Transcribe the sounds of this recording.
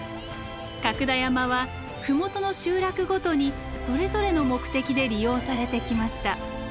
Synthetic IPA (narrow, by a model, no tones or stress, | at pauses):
kakɯ̟d̪ajamaβa | ɸɯ̟mo̞t̪o̞no̞ɕɨːɾakɯ̟ɡo̞t̪o̞ɲ̟i | so̞ɾe̞zo̞ɾe̞no̞mo̞kɯ̟̥t̪e̞kʲid̪e̞ɾʲijo̞ːsaɾe̞t̪e̞kʲimaɕi̥t̪a